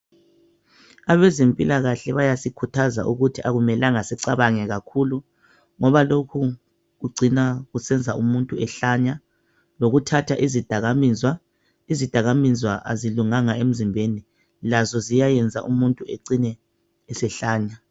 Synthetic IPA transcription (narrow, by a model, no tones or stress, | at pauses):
aβɛzempʼilaɣaɬɛβajasikʰutʰaza̰ʔuɣutʰiʔaɣumɛlaŋasɛǀaβaŋɛɣakʰulu | ŋɔβalokʰu | ɣuɡ͡ǀʱinaɣusɛnd͡zʱaʔumuntʼuɛɬaɲa | loɣutʰatʰaʔizid̥ʱaɣamizwa | izid̥ʱaɣamizwa̰ʔa̰ziluŋaŋaem̩zimbʱeni | lazɔzijajɛnd͡zʱa̰ʔumuntʼueǀinɛː | sɛɬaːɲa